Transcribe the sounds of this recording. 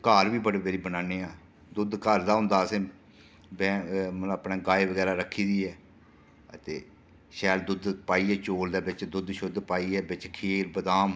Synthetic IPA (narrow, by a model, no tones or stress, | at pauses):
kaːɾʋiːbəɽeːbeːɾiːbənaːneːaː | d̪ʊd̪kəɾd̪aːɦʊ̃nd̪aːəsẽː | bɛ̃ːməəpɳeːɡaːeʋəɡɛːɾaːɾəkʰːiːd̪iːɛː | ət̪ḛː | ʃɛːld̪ʊd̪paːiːɛːt͡ʃoːld̪eːbɪt͡ʃd̪ʊd̪ʃʊd̪paːiːɛːbɪt͡ʃkʰeːlbəd̪aːm